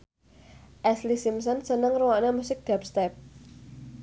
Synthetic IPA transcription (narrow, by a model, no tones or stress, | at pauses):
ʔɛslisimsɔnsənəŋruwanamusɪk̚d̥̪ap̚st̪ɛp̚